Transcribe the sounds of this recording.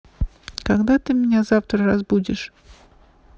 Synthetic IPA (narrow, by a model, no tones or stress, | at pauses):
kaɡd̪at̪ɨmʲɪnʲazaft̪ɾəɾasbudʲɪʂ